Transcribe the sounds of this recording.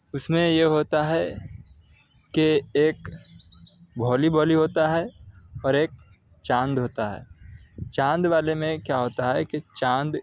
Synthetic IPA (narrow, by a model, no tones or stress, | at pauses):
ʊsmẽjeɦoːt̪aɦɛ | keeːk | bʱɔːlibʱɔːliɦoːt̪aɦɛɔːɾeːk̚ | t͡ʃãːnd̪ɦoːt̪aɦɛ̰ːt͡ʃãːnd̪ʋaːlemẽkjaɦoːt̪aɦɛkit͡ʃãːnd̪